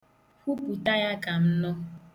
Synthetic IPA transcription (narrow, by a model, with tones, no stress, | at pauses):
hu˦pu˨ta˦ja˦ka˨m̩˦nɔ˦